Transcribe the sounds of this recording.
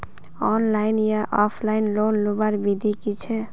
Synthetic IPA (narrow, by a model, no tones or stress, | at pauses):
ɔnlaɪnjaʔɔpʰlaɪnlonlubaɾbid̪ʱikit͡ʃʰɛ